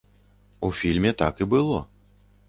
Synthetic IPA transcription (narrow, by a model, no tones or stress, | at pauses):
ufʲilʲmʲɛt̪akibɨlˠɔ